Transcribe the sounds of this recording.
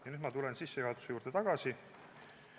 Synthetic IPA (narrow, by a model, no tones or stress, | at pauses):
jɑnyd̪mɑt̪ule̞nsisːe̞juhɑt̪u̥se̞juːɾd̪̥e̞t̪ɑɡ̥ɑsi